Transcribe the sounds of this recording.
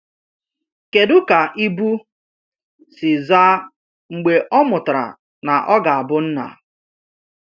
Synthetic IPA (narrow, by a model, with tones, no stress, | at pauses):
ke˨dʊ˦ka˨ʔi˦bu˦ | sɪ˨zaː˦ | ŋ͡m̩˨ɡ͡be˨ʔɔ˦mʊ˨tɾa̰˨ | na˨ʔɔ˦ɡa˨a˨bʊ˦n̩˦na̰˨